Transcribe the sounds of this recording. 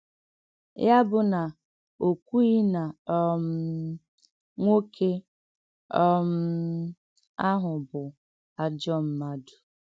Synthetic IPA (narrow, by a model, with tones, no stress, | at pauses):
ja˦bʊ˨na˨ | o˨kʷu˦i˦na˨ɔ˦m̩˦ | ŋʷo˦kʰe˦ | ɔ˦m̩˦ | a˦ɦʊ˨bʊ˨ | a˨d͡ʒɔ˦m̩˦ma˦du̥˨